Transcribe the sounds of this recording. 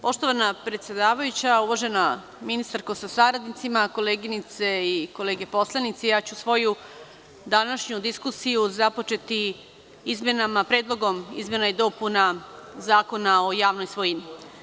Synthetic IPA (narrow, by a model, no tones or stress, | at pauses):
po̞ʃt̪o̞ʋanapɾet̪sje̞d̪aːʋajut͡ɕauʋoʒe̞na | minist̪aɾko̞sasaɾad̪nit̪simako̞leːɡinit̪se̞iko̞leːɡe̞po̞slˠanit̪sijaːt͡ɕusʋo̞ju | d̪anaʃɲud̪iskusijuzapo̞t͡ʃe̞t̪i | izme̞namapɾeːd̪lˠo̞ɡo̞mḭzme̞najed̪o̞punazaːko̞nao̞jaːʋno̞jsʋojini